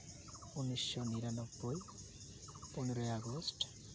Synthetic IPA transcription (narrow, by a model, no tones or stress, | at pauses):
unɔjsːɔniɾanɔbːoj | pɔnɔɾɔjaɡɔst